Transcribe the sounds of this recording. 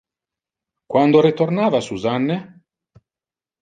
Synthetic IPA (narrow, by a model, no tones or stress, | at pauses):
kwand̪oɾit̪ornaːvasuzanːe